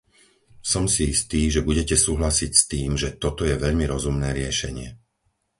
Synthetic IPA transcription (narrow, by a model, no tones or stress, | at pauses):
sɔmsiist̪iːʒɛbuɟɛcɛsuːɦlasicst̪iːmʒɛt̪ɔt̪ɔjɛʋɛʎmiɾɔzumnɛːɾɪɛʃɛɲɪɛ